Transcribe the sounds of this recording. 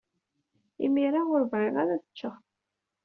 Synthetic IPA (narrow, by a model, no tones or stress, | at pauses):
imiɾaʊɾvɾɪʁæɾæθə̥t͡ʃːəχ